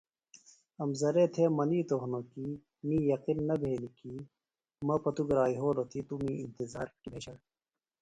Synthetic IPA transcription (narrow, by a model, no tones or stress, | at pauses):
ɐmzɐɾet̪ʰemɐniːt̪oɦnoːki | mĩːjɐqinːɐbʱeːnikiː | mɐpɐt̪uɡɾaːiɦoːlot̪ʰit̪umĩint̪iza̰ːɾkileɕɐɽ